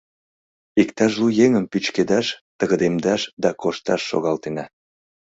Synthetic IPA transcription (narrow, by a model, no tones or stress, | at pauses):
ikt̪ɑʃlujeŋəmpyt͡ɕked̪ɑʃt̪əɣəd̪emd̪ɑʃd̪ɑkoʃt̪ɑʃːo̰ɣɑlt̪enɑ